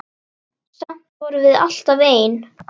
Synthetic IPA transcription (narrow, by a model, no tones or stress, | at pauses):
sam̥t̪vɔɾʏvɪða̰l̥t̪aveːjɪn